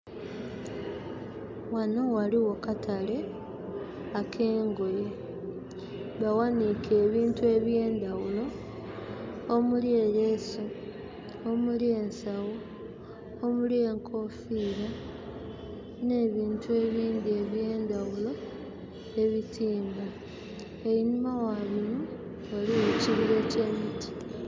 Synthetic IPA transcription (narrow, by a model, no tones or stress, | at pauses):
wano̞waliwo̞katʰale̞ | akʰe̞ːŋɡo̞je | βawanike̞ːβiːntue̞βje̞ːndawulo̞ | mulje̞je̞su | omulje̞ːnsawu | omulije̞ŋkʰo̞fiːɾa | ne̞ːβiːntue̞βiːnd̪ie̞βje̞ːndawulo̞ | e̞βitʰiːmba | einimawaβino | oliweciβiɾe̞ce̞ːmitʰi̥